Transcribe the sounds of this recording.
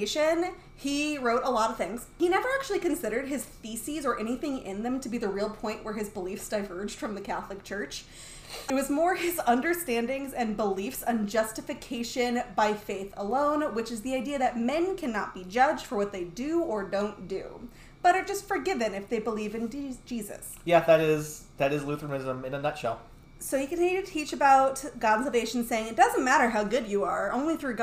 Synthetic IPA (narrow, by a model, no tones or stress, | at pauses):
ɪʃɨ̃n | iɹoʊɾəlɔɾʌv̥θɪ̃ŋz̥hinɛvə˞æk̚t͡ʃʉl̩ˠikɨ̃nsɪɾə˞d̚ɨz̥θisizə˞ʔɛniθɪ̃ŋɪ̰̃nðɨ̃mtʰɨbiðɨɹilˠpʰɔ̃ɪ̃nʔwə˞ɨzbəlifsd̥aɪvɜ˞d͡ʒd̥fɹʌ̃mðɨkʰæθlˠɨk̚t͡ʃʰɜ˞t͡ʃ | ɨt̚wʌzmɔɹɪzʌ̃ndə˞stæ̃ndɪ̃ŋzɨ̃nbəlifsə̃nd͡ʒʌstɨfɨkʰeɪʃɨ̃nbaɪfeɪθə̰lõʊ̃nwɨt͡ʃɨzðiaɪdiɨðɨt̚mɛ̃nkʰænɑt̚b̥id͡ʒʌd͡ʒd̥fə˞wʌt̪̚ðeɪdɨə˞dõʊ̃nd̥ʉ̰ | b̥ʌɾə˞d͡ʒʌstfə˞ɡɪvɨ̃nɨfðeɪbəlivɨ̃nd̥ʒ̥izɨ̰s | jæðɨɾɪz | ðɨɾɨzlʉθɹənɪzə̃mɨ̃ñnðətʃoʊ | soʊjikɨ̃nnitʰɨtʰit͡ʃɨbaʊtɡɑ̃dnsl̩ˠveɪʃn̩seɪɪ̃ŋɨt̚d̥ʌz̃n̩mæɾə˞ɦaʊɡʊd͡ʒɨə˞õ̰ʊ̃nliθɹʉɡ